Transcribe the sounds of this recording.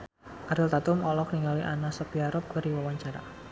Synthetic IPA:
ʔaɾɪlt̪at̪ʊmɔlɔk̚niŋaliʔanasɔpiaɾɔp̚ɡaɾiwawaɲt͡ʃaɾa̰

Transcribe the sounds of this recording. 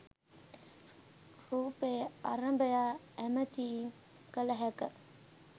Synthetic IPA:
huːpeːa̰ɾəmbəjaː | æmət̪iː | kələɦækə

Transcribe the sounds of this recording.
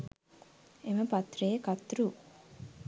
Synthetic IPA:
eməpat̪reekat̪ɾu

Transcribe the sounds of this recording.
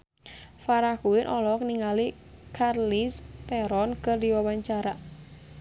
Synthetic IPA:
faɾakuɪnʔɔlɔk̚niŋali | kʰarlist̪ɛɾɔnkɨrdiwawaɲt͡ʃaɾa

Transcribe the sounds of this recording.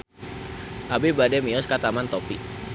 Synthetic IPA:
ʔabibadɛmiɔskat̪amant̪ɔpi

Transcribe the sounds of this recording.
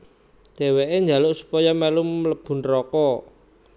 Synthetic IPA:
d̥ɛ̤weʔeɲd͡ʒa̤lʊʔsu̥pɔjɔmɛlumːələb̥ṳnrɔkɔ

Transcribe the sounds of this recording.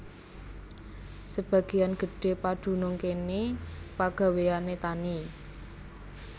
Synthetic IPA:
səb̥a̤ɡ̥e̤janɡ̥ə̤ɖ̥e̤paɖ̥ṳnʊŋkenepaɡ̥a̤weanet̪ani

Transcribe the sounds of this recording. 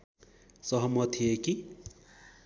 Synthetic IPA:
sʌɦʌmʌt̪ʰieki

